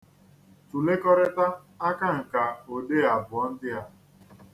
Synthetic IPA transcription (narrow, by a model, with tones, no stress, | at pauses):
tu˨le˦kɔ˦ɾɪ˦ta˦ | a˦ka˦ŋ̩˨ka˨o˨de˦a˨bʊ˨ɔ˦n̩˦dɪ˦ja˦